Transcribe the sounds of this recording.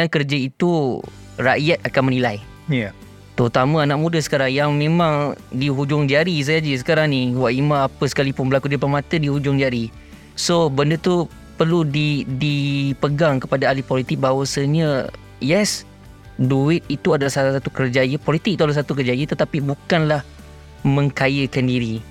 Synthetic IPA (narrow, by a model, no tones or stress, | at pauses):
akərd͡ʒait̪u | raʔjat̪̚akanmənilaj | t̪əɾut̪amə̃anaʔmũdəsə̥kaɾaŋjaŋmẽmãŋdiɦud͡ʒʊŋd͡ʒaɾis̬ajad͡ʒəs̬ə̥kaɾaŋniwaʔimaːpəsə̥kalipʊnbəlakudəpamat̪ədihud͡ʒʊŋd͡ʒaɾi | sobəndət̪u | pərludidipəɡaŋkəpadaːlipɔlit̪ɪk̚bawəsəɲə | jɛs | duɪt̪̚it̪uadalahsaat̪ukərd͡ʒajəpɔlit̪ɪk̚it̪uadalasat̪ukərd͡ʒajət̪ət̪apibukanlah | mə̃ŋkajəkandiɾi